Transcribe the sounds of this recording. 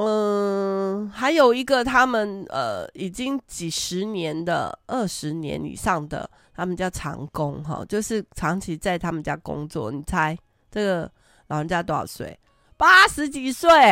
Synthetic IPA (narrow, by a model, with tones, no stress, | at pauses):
ʔə˧ | xa˧˥ɪjo˨˩ʊi˧˥ɡə˨t̪ʰa˥mə˨nə̰˧˩i˨˩t͡ɕi˥ŋt͡ɕi˨˩ʂɻ̩˧˦njɛ˧˦nd̪ə̰˨ʔə˥˩ʂɻ̩˧˥njɛ̰˧˦˥nḭ˨˩ʂɑ˥˩ŋd̪ə̰˩ | t̪ʰa˥mə˨nt͡ɕjɑ˥˩ʊʈ͡ʂʰɑ̰˧˥ŋkʊ˦˥ŋɦɑ̰˥˩t͡ɕjo˥˧ʊʂɻ̩˥˩ʈ͡ʂʰɑ˧˥ŋt͡ɕʰi˧˥t͡sa˥˩ɪt̪ʰa˥mə˨nt͡ɕja˥˧kʊ̰˥ŋt͡swɔ̰˥˩ni˨˩t͡sʰa˧˥ɪ | ʈ͡ʂə˥˩ɡə˩ | lɑ˨˩ʊɻə˧˦nt͡ɕja˥t̪swḛ˨˩˦ɪ | pa˦˥ʂɻ̩˧˥t͡ɕi˨˩swe˥˩ɪ